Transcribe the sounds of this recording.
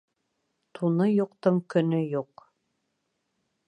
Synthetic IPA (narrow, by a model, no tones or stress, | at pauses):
t̪ʰunɤjuqt̪ɤɴkɵ̆nɵjuq